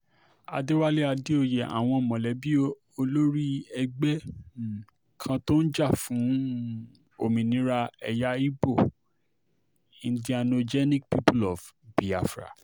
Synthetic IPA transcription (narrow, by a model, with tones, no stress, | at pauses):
a̰˨de˦wa˦le˦a˧di˦o˧je˨a̰˨w̃ɔ̃˧˨mɔ̃˨lɛ˨˦bi˦ | o˧lo˦ɾi˦ɛ˧ɡ͡bɛ˦˨ | kʰã˧to˦n̩˦d͡ʒa˦˨fũ˨˦ | o̰˨mĩ˨nĩ˨˦ɾa˦˧ɛ˧ja˦i˦bo˦˨ | ĩ˨˧di˦a˧no˧d͡ʒɛ˦nĩ˦k̚pi˦pu˦lɔ˨fb̥i˨a˨fɾa̰˨